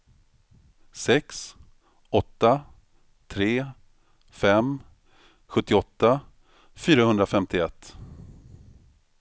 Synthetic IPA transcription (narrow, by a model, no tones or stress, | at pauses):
sɛks | ɔt̪ːa | t̪ʰɾeː | fɛm | ɧɵt̪ːɪɔt̪ːa | fyːɾahɵnd̪ɾafɛmt̪ʰɪɛt̪ː